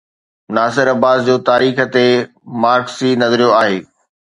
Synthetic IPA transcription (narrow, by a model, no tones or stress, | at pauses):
ʊnaːsɪɾɐbaːzd͡ʑoːt̪aːɾiːxə̆t̪e | maːɾksiːnɐzəɾijoaːɦeː